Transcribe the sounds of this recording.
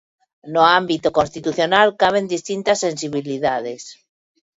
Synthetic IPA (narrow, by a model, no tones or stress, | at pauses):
noambit̪okonst̪it̪uθjo̞nalkaβ̞e̞nd̪ist̪int̪asːe̞nsiβiliðaðes